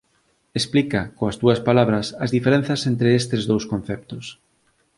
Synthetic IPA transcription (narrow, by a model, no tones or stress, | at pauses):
esplikɐkoɐst̪uɐspalaβ̞ɾɐsɐzðifeɾen̟θɐsent̪ɾeest̪ɪzðowskõn̟θɛp̚t̪ʊs